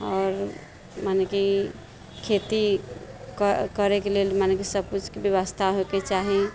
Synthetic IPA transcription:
ɔːɾ | maneki | kʰet̪i | kkəɾekelelmanekisəb̚kut͡ʃʰkebeʋəst̪ʰaɦoket͡ʃaɦi

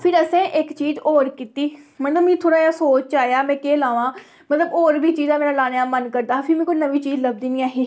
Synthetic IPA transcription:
pʰɪɾəsẽːʔɪkt͡ʃiːzoːɾkiːt̪iːmət̪ləbmĩːt̪ʰoːɽaːjaːsoːt͡ʃaːjaːmɛ̃ːkeːlaːʋãː | mət̪ləboːɾbiːt͡ʃiːzãːmɛ̃ːnãlaːnejãːmənkəɾd̪aːpʰɪɾmɛ̃ːkoinəʋiːt͡ʃiːzləb̚d̪iːnĩːaːɦeː

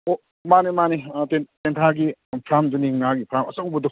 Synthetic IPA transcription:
o | manimanitententʰaɡipʰɾamd͡ʒuniŋnaɡipʰɾamɐsaŋbɔdɔ

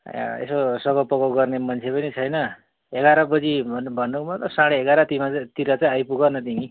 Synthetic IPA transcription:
ḛsosʌɡʌpʌkoɡʌrnemʌnt͡sʰepʌnit͡sʰʌjnʌ | eɡaɾʌbʌd͡zinbʱʌnːumʌt̪ʌsaɽeeɡaɾʌt̪imat̪iɾat͡saĩajpuɡanʌt̪iŋi

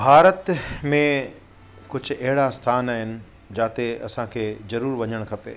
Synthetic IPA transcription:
bʱaːɾət̪mẽ | kʊd͡ʑʱʊ̆ɐɦɪɽast̪ʰaːnaːɦɪnɪ̆ | d͡ʑaːt̪eɐ̰sãkʰeːzɐɾuːɾʋɐɲəɽ̃kʰɐpḛː

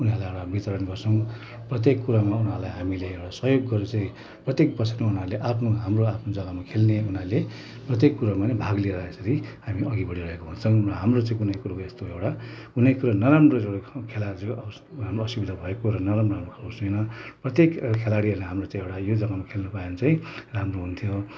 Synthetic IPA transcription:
unalajewʈabit͡sʌɾʌnɡʌrt͡sʰʌ̃w̃ | prʌt̪jekːuɾamaunɦalajɦamileewʈasʌɦjoɡːʌɾet͡sãĩ | prʌt̪jek̚pʌsʰermaunaleʔapʰnoɦamroapʰnod͡zʌɡamakʰelneunale | prʌt̪̬jekːuɾamanebʱaɡlieɾʌesʌɾihamiʔʌɡibʌɽiɾʌɦekoɦunt͡sʰʌ̃ŋʌɦamrot͡sãĩkunʌjkuɾokest̪oewʈa | kunʌjkuɾanʌɾamroewɽakʰelad͡zeʌ | amoʌsibid̪ʱabʱʌekoɾʌnʌɾamramrokʰaosenʌprʌt̪jekkʰelaɽiʌneɦamrot͡sãĩewʈajod͡zʌɡamakʰelnupajent͡saĩramroɦunt̪ʰijo

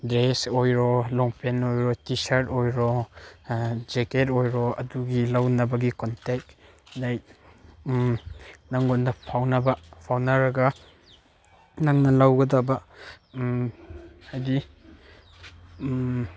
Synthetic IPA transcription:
dɾesojɾɔlɔŋpenojɾɔtisɐɾtojɾɔ | d͡ʒeket̬ojɾɔɐ̰duɡilawnɐbɐɡikɔntek̚ | laj̚ | naŋondɐpʰawnɐbɐpʰawnɐɾɐɡɐ | naŋnɐlawɡɐdabɐ | ajdi

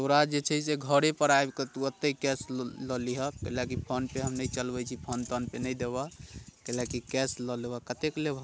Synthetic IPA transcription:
t̪oɾad͡ʒet͡ʃʰəseɡʱəɾepəɾaebket̪uət̪ːəikɛslɔliɦəkelakipʰənpeɦəmnət͡ʃəlbɛjt͡ʃʰipʰənt̪ənpenəjd̪ebakelakikɛslɔlebakət̪eklebʱ

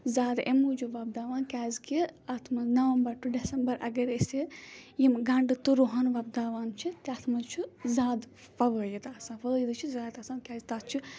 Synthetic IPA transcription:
zaːd̪ḛmuːd͡ʒuʋɐb̚d̪aːʋaːnkʲaːzkiɐt̪ʰmɐznɐʋɐmbɐɾʈuɖesɐmbɐɾɐ̰ɡɐɾesijimɡɐɳɖɨt̪uɾoɦanʋɐb̚d̪aːʋaːnt͡ʃʰit̪iɐt̪ʰmɐzt͡ʃʰuzaːd̪ | fɐʋəːjit̪aːsãːfɐjid̪ɨt͡ʃʰizaːt̪aːsaːnkʲaːzʲt̪aːt͡ʃʰi

